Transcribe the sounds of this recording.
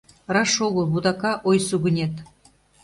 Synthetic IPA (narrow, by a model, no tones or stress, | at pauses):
rɑʃoɣə̆lˠβud̪ɑkɑʔojsuɣə̆nʲet̪